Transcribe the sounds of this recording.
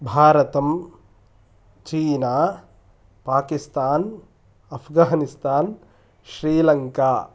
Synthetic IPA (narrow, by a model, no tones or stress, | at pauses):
bʱaːɾɐt̪ɐm | t͡ʃiːnaː | paːkist̪aːn | ɐpʰɡaːnist̪aːn | ʃɾiːlɐŋkaː